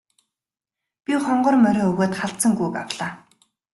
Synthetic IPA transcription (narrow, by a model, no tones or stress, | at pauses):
pʲiχɔɴɢɞ̆rmœɾʲoːɵɣoːt̪χaɬt͡sə̆ŋɡujka̰wɮaː